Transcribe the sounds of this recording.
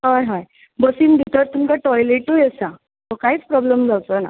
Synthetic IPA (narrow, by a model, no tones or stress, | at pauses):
ɦajɦaj | bəsiːnb̪ʱit̪əɾt̪umkaʈɔjleʈujesa | t̪okaɦiːt͡spɾɔbləmd͡zawt͡s̪əna̰